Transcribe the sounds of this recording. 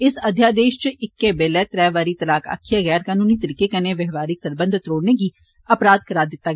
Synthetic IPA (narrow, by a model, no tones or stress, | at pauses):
ɪsɐd̪ʱjaːd̪eːʃt͡ʃɪkːebeːlɛːt̪ɾɛːʋaːɾit̪ɐlaːka̰kʰːjaɣɛːɾkaːnuːnit̪əɾiːkekɐneʋɛɦʋaːɾiksəɾbə̃nd̪ʱt̪ɾoːɽnek̬i | ɐpɾaːd̪kɐɾaːd̪ɪt̪ːa